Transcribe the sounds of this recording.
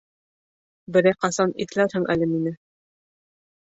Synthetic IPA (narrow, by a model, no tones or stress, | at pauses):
bɘ̆ɾæjqɑsɑnḭθɘ̆læɾhɘŋʔæ̰lɘminɘ